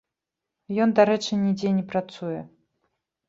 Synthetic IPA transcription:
jɔnd̪aɾɛt͡ʂɨnʲid͡zʲɛnʲɛpɾat̪sujɛ

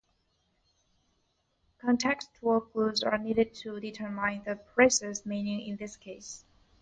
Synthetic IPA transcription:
kʰɔ̃ntʰɛkstʰɔkʰluzə̰˞niɾɨd̚tʰuditʰə˞mãɪ̃nðəpʰɹ̥aɪsɛsmĩnɪ̃ŋɪ̰̃nðɪskʰeɪs

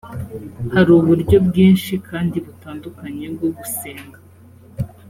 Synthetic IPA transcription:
haɾuːβuɾɟo̞bɡiːnʃikaːndiβutaːndukaɲe̞bɡoɡuseːŋɡa

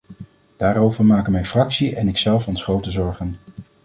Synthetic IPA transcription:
d̥aːɾowvəɹmaːkəmɛjfrɑksiɛnɪksɛlˠfɔnsχrowtəzɔɹχən

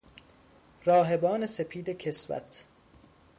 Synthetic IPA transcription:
ɾɒːɦe̞bɒːne̞sepʰiːd̪ecʰesvæ̰t̪ʰ

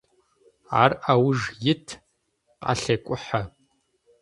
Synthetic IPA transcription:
arawʒjɪtʰ | qʼa̰ɬekʷʼʊħa

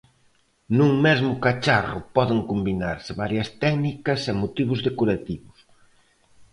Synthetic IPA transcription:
nũŋmɛzmʊkat͡ʃarʊ̰pɔðɪŋkombinaɾsɪβaɾjɐst̪ɛknikɐsemot̪iβ̞ʊzðekoɾat̪iβʊs

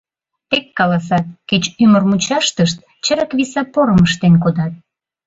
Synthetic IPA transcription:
t̪ekːɑlɑsɑt̪̚ket͡ɕymərmut͡ɕɑʃt̪əʃt̪̚ | t͡ɕə̆ɾəkβisɑpoɾəməʃt̪enkod̪ɑt̪̚

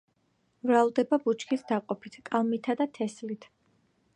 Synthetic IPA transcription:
vɾalˠd̪ɛbabut͡ʃʰkʰisd̪aqʼɔpʰit̪ʰkʼalˠmit̪ʰad̪at̪ʰɛslit̪ʰ

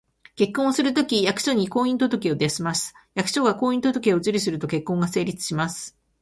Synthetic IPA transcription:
ke̞kːõ̞ɰ̃osɨɾɯ̟t̪o̞kʲijakɯ̥ɕo̞ɲ̟iko̞ːĩnt̪ot̪o̞kʲeod̪easimasɨ̥ | jakɯ̟̥ɕo̞ɡako̞ːĩnt̪o̞t̪o̞kʲeo̞zɨɾʲisɨɾɯ̟t̪o̞ke̞kːõ̞ŋɡase̞ːɾʲit͡sɨ̥ɕimasɨ̥

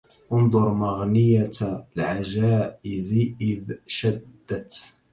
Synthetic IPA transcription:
ʔʊnd̪ˤʊɾˤmaɣnɪjalʕaʒaːʔɪzʔɪðʃad̪ːat̪

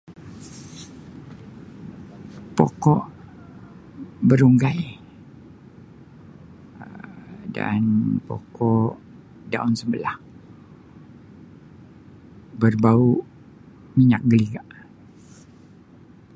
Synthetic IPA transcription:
po̰kɔʔ | bəɾuŋɡaj | əda̰npo̰kɔʔ | daunsəmbəlah | bərbauʔ | miɲak̚ɡəliɡaʔ

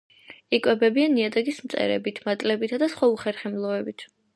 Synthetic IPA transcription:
ikʼwɛbɛbianiad̪aɡismt̪sʼɛ̰ɾɛ̰bit̪ʰmat̪ʼlɛbit̪ʰad̪asχwauχɛɾχɛmlˠɔɛbit̪ʰ

